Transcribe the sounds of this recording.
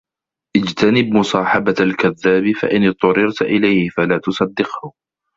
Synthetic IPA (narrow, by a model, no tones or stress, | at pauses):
ʔɪd͡ʒt̪anɪbmʊsˤɑːħɑbaalkaðːaːbifa̰ʔɪnɨt̪ˤːʊɾɪɾt̪ʔɪlajhɪfalaːt̪ʊsˤɑd̪ːɪqhʊ